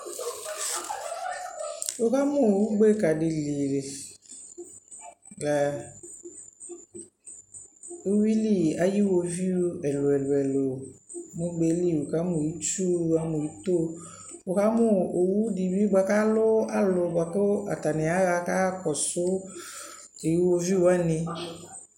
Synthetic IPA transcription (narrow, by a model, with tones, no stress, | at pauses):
wo˨˦ka˦mʊ̃˦˨wu˦ɡ͡be˦˨ka˨dɪ˨li˨le˨ | lɛ˨ | o˦wi˦li˦˨a˨ji˦wo˨vi˦ɛ˨lʊ˨ɛ˨lʊ˨ɛ˨lo˨mʊ̃˦ɡ͡be˦li˦˨wu˨ka˦mʊ̃˨ji˦t͡ʃu˦a˦mʊ̃˨ji˦t̪o˦ | wʊ˨ka˦mʊ˦o˨wu˦di˨bi˦ɡ͡ba˨ka˦lʊ˦a˦lʊ˨ɡ͡ba˨kʊ˦a̰˨t̪a˨nɪ̃˨a˦ɣa˨ka˦kɔ˨sʊ˦ | ke˨ji˦wo˦vi˦wu˦a˦nɪ̃˦